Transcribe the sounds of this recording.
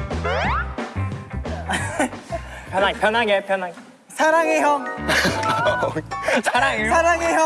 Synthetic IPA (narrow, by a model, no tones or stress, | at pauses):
pʰjʌnapʰjʌnaŋɡepjʌnaŋe | sʰaɾaŋejʌŋ | sʰaɾaŋesʰaɾaŋeɦjʌ